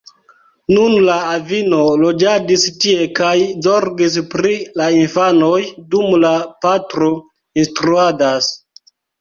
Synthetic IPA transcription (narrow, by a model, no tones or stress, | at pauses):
nunlaːvino̞lo̞d͡ʒadistie̞kajzo̞ɾɡis̬pɾilainfano̞jdumlapatɾo̞ | instɾuadas